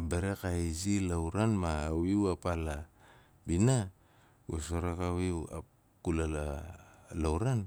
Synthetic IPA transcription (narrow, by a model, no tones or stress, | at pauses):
beɾekaizilawɾanmaːwiwapala | bina | wesoɾakawia̰ | kulala | lawɾan